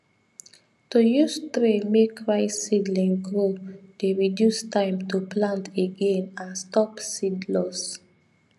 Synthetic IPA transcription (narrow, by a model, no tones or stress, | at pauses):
tujustɹemekʰɹaɪsidlĩŋɡod̥eɹidjustãɪ̃mtʰuplãntʰeɡẽnãnstɔpsidlɔs